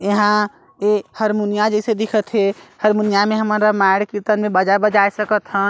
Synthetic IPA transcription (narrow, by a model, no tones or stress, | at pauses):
eɦã | ehəɾmunijad͡ʒəsed̪ikʰət̪ɦehəɾmunijameɦəməɾəmaɪɽkiɾt̪ənmẽbəd͡ʒabəd͡ʒajsəkət̪ɦən